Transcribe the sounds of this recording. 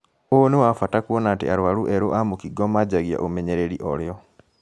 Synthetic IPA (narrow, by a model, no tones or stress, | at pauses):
oonewafatakuwɔnatḛaɾwaɾuʔeɾoʔamukiɡɔmaɟaɣja̰ʔomeɲeɾeɾiʔɔljɔ